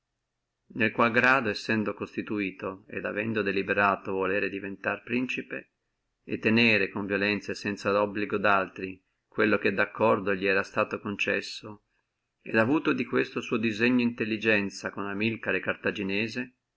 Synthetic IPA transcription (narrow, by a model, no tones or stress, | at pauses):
nelkwalɡɾaːd̪oesːɛnd̪okost̪it̪uiːt̪oḛd̪a̰vɛnd̪od̪elibeɾaːt̪ovoleːɾed̪ivent̪arpɾint͡ʃipe | et̪ːeneːɾekoɱvjolɛnt̪sesɛnt̪saɔbːliɡod̪alt̪ɾi | kwelːok̟ed̪akːɔrd̪oʎːiɛːɾast̪aːt̪okont͡ʃɛsːo | ed̪avuːt̪od̪ikwest̪osuːod̪izeɲːoint̪elːid͡ʒɛnt̪sakonamilkaɾekart̪ad͡ʒineːze